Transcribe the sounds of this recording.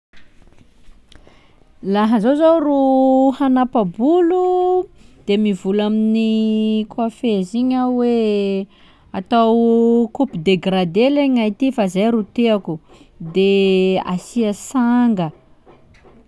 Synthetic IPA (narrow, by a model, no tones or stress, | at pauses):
laɦəzowzowruhanapabulu | d̪̥emivulaminikwafeziɲawe | at̪awkupid̪eɡrad̪eleɲajt̪ifazajɾut̪eaku | d̪ea̰siasaŋɡə